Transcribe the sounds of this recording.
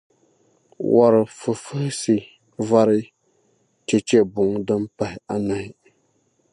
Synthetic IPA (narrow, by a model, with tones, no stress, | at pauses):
wʔa˨ɾɨ˨fɨ˨fɨ˦hɪ˦sɨ˨ | va˦ɾɨ˦ | t͡ʃɛ˨t͡ʃɛ˦bʊ˨ŋdɨ˦mpa˨hɪ˨a˨na˨hɪ˨